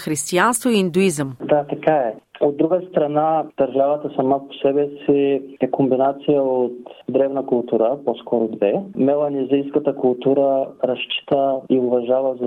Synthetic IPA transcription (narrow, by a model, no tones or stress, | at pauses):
xɾist̪ianst̪voiind̪ʊizəmd̪at̪ɐkaɛod̪ːɾuɡəst̪ɾɐnad̪̥ɐɾʒavət̪əsɐmapo̥sɛbɛsiɛkombinat̪sijəot̪d̪ɾɛvnəkʊlˠt̪uɾəpɔskɔɾod̪vɛmɛlˠɐnizijskət̪əkʊlˠt̪uɾəɾɐʃt͡ʃi̥t̪əiʊvɐʒavəz